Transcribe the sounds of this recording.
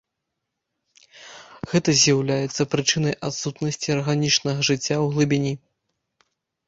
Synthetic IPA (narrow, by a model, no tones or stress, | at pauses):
ɣɛt̪ɐzʲjawlʲajɛt̪sːɐpɾɨt͡ʂɨnɐjʔat̪sut̪nɐsʲt͡sʲiɐrɣanʲit͡ʂnɐɣɐʐɨt͡sʲːawɣlˠɨbʲinʲi